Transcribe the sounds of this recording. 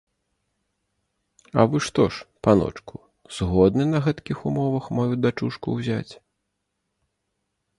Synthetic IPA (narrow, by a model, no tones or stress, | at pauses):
ɐ̰vɨʂt̪ɔʂpanɔ̰t͡ʂku | z̥ɣɔd̪nɨnɐɣɛt̪kʲixumɔvɐxmajud̪at͡ʂuʂkṵwzʲat͡sʲ